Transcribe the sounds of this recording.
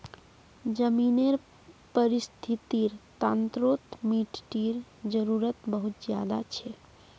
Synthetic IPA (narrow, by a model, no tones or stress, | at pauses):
d͡ʒəmineɾ | pəɾist̪ʰit̪iɾt̪ant̪ɾot̪miʈʈiɾd͡ʒəɾuɾət̪bəɦut̪d͡ʒja̰d̪a̰t͡ʃʰɛ